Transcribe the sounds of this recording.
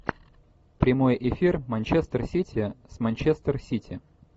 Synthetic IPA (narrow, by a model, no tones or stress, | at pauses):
pɾʲɪmo̞jʔɪfʲirmɐnʲt͡ɕest̪ərsʲitʲʰɪsmɐnʲt͡ɕest̪ərsʲitʲʰɪ